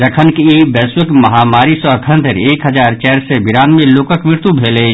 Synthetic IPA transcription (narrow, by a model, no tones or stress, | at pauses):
ɾəkʰənkiibɛːswɪkmɐɦaːmaːɾisɔɐkʰə̃nt̪əɾeːkɦəɐzaːɾt͡ʃɛːɾsebɪɾaːnmẽloːkəkmɪɾt̪ubʱeːle